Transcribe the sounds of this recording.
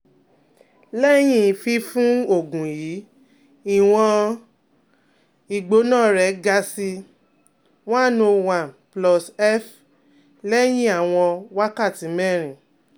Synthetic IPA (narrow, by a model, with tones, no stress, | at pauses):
lɛ˦j̃ĩ˦˨fi˧fũ˦o˦˨ɡũ˨jiː˨˦ | i˨w̃ɔ̃˧ | i˨ɡ͡bo˨˦nã˦˨ɾɛ˨˦ɡa˧˦si˧ | w̃ɔ̃˦˨nũ˧wã˨nplɔ˧sɛ˦f | lɛ˦j̃ĩ˦a˦˨w̃ɔ̃˧wa˦ka˦˨tĩ˨˦mɛ˦˨ɾ̃ĩ˨